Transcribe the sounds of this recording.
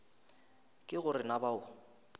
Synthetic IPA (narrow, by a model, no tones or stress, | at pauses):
kʼɪɣʊrɪnabaʊ